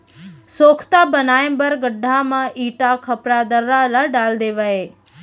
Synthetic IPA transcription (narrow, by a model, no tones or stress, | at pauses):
soːkʰt̪abənaːẽmbəɾɡəɖʱːamãʔiːʈakʰəpɾad̪əɾːalaɖaːld̪eːʋaeː